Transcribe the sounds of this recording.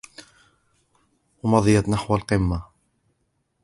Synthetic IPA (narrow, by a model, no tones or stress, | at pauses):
wɑmɑðˤɨjat̪naħwalqɨmːa